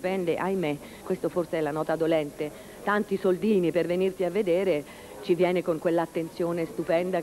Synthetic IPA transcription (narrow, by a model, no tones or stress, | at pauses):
pɛnd̪eʔajme | kwest̪oforseɛlanɔːt̪ad̪olɛnt̪e | t̪ant̪isold̪iːnipervenirt̪iavːed̪ɛːɾe | t͡ʃivjɛːnekoŋkwelːat̪ːent̪sjoːnest̪upɛnd̪a